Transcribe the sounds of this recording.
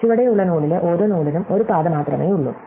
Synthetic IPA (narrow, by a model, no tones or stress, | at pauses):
iʋɐɽejuɭːɐnuːɭileʔo̞ːɾo̞ːnuːɭinumo̞ɾupaːðɐmaːt̪rɐmeːjuɭːṵm